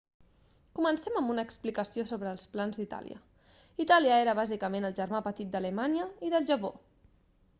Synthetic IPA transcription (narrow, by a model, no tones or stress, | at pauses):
kumənsɛməmbunəːksplikəsiosoβɾəːlˠsplanzd̪it̪a̰lḭə̰ | it̪aliəeɾəβ̞azikəmenəlˠʒəɾmapət̪it̪̚d̪ələmanjəiðəlˠʒəpo